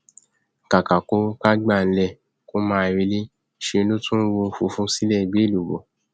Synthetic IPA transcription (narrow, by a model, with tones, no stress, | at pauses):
ka˨ka˨ko˦ka˦ɡ͡ba˦˨n̩˦lɛ˦˨ | ko˦mãː˦˧ɾi˧li˦ | ʃe˧˦lo˦tũ˦wo˧fu˧fũ˦si˦lɛ˦˨ɡ͡be˨˦˨lu˨bo˨